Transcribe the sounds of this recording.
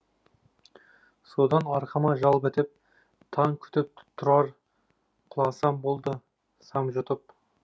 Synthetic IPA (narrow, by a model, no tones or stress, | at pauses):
sod̪ɑnɑɾqʰɑmɑʒɑlˠpet̪ɪp̚ | t̪ʰɑŋkʲʰʏ̥t̪ɪp̚t̪ʰːʊɾɑɾ | qʰʊlˠɑsɑmbo̞lˠd̪ə | sɑmʒʊt̪əp